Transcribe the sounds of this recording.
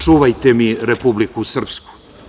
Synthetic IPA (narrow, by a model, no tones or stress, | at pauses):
t͡ʃuʋajt̪emiɾepublikusr̩psku̥